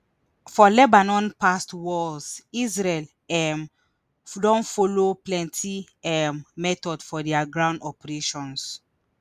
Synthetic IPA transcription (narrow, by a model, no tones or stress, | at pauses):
fɔlɛbanɔ̃npastwɔlsizɹɛl | ɛm | dɔ̃nfoloplɛ̃ntʰi | ɛmmɛtɔdfɔdɛaɡɹãʊ̃ndɔpɛɹeʃɔ̃ns